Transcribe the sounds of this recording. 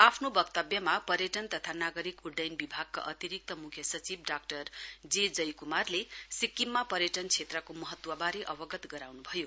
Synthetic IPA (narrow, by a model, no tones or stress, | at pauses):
apʰnobʌkt̪ʌbjʌmapʌɾjʌʈʌnt̪ʌt̪ʰanaɡʌɾikuɖʌjnbibʱaɡ̚ka̰ʔʌt̪iɾik̚t̪ʌmukʰjʌsʌt͡sibɖak̚ʈʌrd͡zed͡zʌjkumarlesikːimːapʌɾjʌʈʌnt͡sʰet̪rʌkomʌɦʌt̪wʌbaɾeʔʌbʌɡʌt̪ɡʌɾawnubʱʌjo